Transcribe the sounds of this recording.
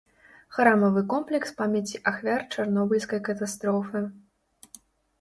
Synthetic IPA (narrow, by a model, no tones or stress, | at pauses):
xɾamɐvɨkɔmplʲɛkspamʲat͡sʲiʔaxvʲart͡ʂarnɔbulʲskɐjkɐt̪ast̪ɾɔfɨ